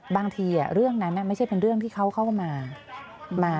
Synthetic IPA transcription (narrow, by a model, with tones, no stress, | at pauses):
baː˧ŋt̪ʰiː˧ʔa̰˨˩ɾɯ˥˩əŋna˦˥nːʔa˧˩ma˥˩jt͡ɕʰa˥˩jpe˧nɾɯ˥˩əŋt̪ʰiː˥˩kʰa˦˥wkʰa˥˩wmaː˧ | maː˧